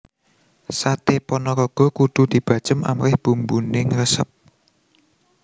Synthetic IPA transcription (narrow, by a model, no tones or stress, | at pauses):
sat̪epɔnɔkɔɡ̥ɔ̤kud̪̥ṳd̪̥i̤b̥ä̤̥t͡ʃəma̰mɾɪhb̥umbunɪŋrəsəp̚